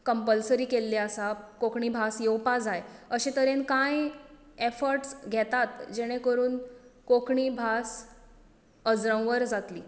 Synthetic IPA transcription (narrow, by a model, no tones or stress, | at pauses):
kəmpəlsəɾiːkelːeasakokɳiːbʱasjewpad͡zajəɕet̪əɾenkãj | efəɾʈsɡʱɛt̪at̪d͡ʑeɽ̃ẽkəɾuːnkokɳibʱas | əd͡zɾə̃w̃ʋəɾd͡zat̪liː